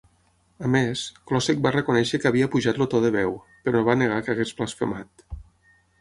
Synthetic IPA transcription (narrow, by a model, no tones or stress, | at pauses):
əmesklɔsek̚barəkunɛʃəkəβiəpuʒat̪lot̪ɔðəβɛw | pəɾɔβaneɣ̞akəɣesblasfḛmat̪